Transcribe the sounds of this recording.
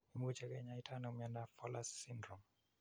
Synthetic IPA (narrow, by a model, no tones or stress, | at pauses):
imut͡ʃɛkɛɲaitʰanomjandafɔlasindɾɔm